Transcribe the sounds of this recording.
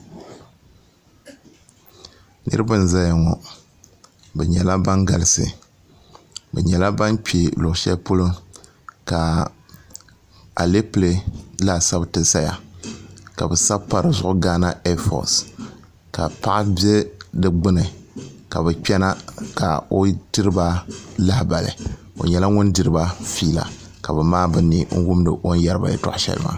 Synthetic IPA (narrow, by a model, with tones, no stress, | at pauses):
nʔɨ̰˦ɾɨ˦ba˦n˨za˦ja˨ŋɔ˨ | bɛ˨ɲɛ˨la˦ba˦ŋɡa˨lɨ˨sɨ̰˨ | bɛ˨ɲɛ˨la˦ba˦nk͡pe˨lʊ˨ʔʊ˨ʃɛ˦pu˦lɨ˦m | ka˨ | a̰˨le˦ple˨la˦˨sa˦btɨ˨sa˦ja̰˨ | ka˨bɛ˨sa˦bpa˨ɾɨ˨zʊ˦ʔʊ˦ɡaː˦na˦ɛ˦fɔ̰˨s | ka̰˨pa˦ʔa˦bjɛ˦dɨ˦ɡ͡bɨ˦nɨ˨ka˨bɨ˨k͡pɛ˦na˦ka̰˨o˨dɨ˦ɾɨ˦ba˦la˦hba˨lɨ̰˨ | o̰˨ɲɛ˨la˦ŋʊ˦ndɨ˨ɾɨ˦ba˦fiː˦la̰˨ | ka˨bɨ˨maː˦bɨ˨ni˦ŋ̩˦wʊ˦mdɨ˨ʔo˦n˦ja˦ɾɨ˦ba̰˨jɛ̰˦tʊ̰˨ʔʃɛ̰˦lɨ̰˦ma̰˦